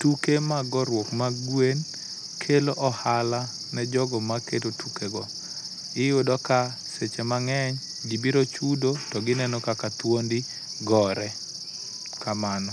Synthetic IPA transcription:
tukemaɡɔɾwokmaɡwen | kʰeloʔɔhala | nɛd͡ʒɔɡɔmaketotukeɡɔ | ɪjʊdɔka | set͡ʃemaŋɛɲ | ɡibiɾot͡ʃudotɔɡɪnɛnɔkakat̪wondi | ɡɔɾɛ | kamanɔ

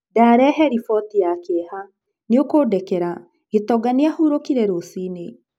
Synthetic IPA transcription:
daɾɛɦɛɾifɔtijakeha | niokoːdɛkɛɾa | ɡ̥etɔɡaniahuɾokiɾɛɾosine

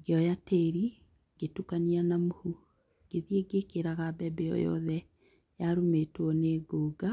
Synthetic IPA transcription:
ɡeɔjateɾi | ɡ̥etukanianamohu | ɡ̥eðieɡekeɾaɣabɛbɛɔ̰jɔ̰ðɛ | jaɾumetwɔneɡoːɡa

